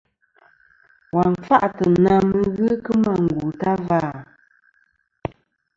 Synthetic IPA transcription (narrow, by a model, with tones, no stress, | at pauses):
wa˨ɱfa˦ʔtə˨na˦mə˦ɣɨ˦kə˦ma˦˨ŋ̩˨ɡu˨ta˦va˦˨